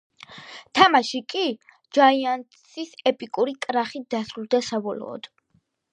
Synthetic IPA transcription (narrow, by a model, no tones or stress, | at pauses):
t̪ʰamaʃikʼi | d͡ʒaiant̪sʰisɛpʼikʼuɾikʼɾaχit̚d̪̥asɾulˠd̪asabɔlɔ̰ːd̪̥